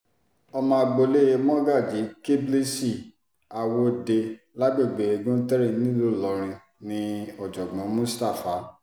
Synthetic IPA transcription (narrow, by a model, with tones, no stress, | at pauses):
ɔ˧mã˧˦˧ɡ͡bo˧le˦je˧mɔ̃˦ɡa˦˨d͡ʒi˨˦ke˦ble˦si˦˨ | a˨wo˧de˧ | la˦ɡ͡be˦˨ɡ͡be˨e˧˨ɡũ˦tɛ˦ɾĩ˦˨nĩ˦lo˦˨lɔ˨ɾ̃ĩ˧ | nĩ˧ɔ˦˨d͡ʒɔ˨ɡ͡bɔ̃˨˦mũ˦sta˦˨fa˨˦